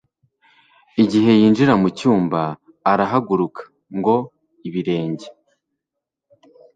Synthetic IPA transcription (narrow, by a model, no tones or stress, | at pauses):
iɟiɦe̞jiːnd͡ʒiɾamucuːmbaː | ɾaɦaɡuɾukḁ | ŋɡo̞ | iβiɾe̞ːɲɟe̥